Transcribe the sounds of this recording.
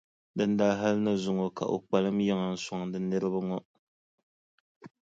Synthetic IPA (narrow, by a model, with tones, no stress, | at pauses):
dɨ˦ndaː˦ɦa˦lɨ˦nɨ˦zʊ˨ŋɔ˨ka̰˨ʔo̰˨k͡pa˨lɨ˦mjɛ˦ŋa˨n̩˦˨sɔ˨ŋdɨ˦nɨ˦ɾɨ˦ba˦ŋɔ˦